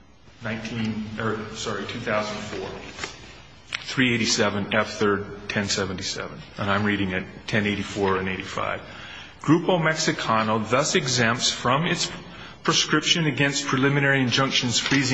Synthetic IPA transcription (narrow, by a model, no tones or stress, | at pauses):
nãɪ̃ntʰĩnɜ˞sɑɹitʰʉθaʊz̃n̩d̥fɔɹ | θɹieɪɾisɛvɨ̃nɛfθɜ˞d̚tʰɛ̃nsɛṽn̩tisɛ̰və̃nə̃nãɪ̃mɹiɾɪ̃ŋɨtʰɛ̃neɪɾifɔɹɨ̃neɪɾifa̰ɪv̥ | ɡ̥ɹʉpəmɛksɨkʰɑnl̩ˠðʌsɨɡzæ̃mpsfɹʌ̃mɪts | pʰɹ̥ɨskɹɪpʃɨ̃nɨɡɛ̃ns̚pʰɹ̥ɨlɪ̃mɨnɛɹiɨ̃nd͡ʒʌ̃ŋkʃɨ̃n̩z̥fɹizɪ̃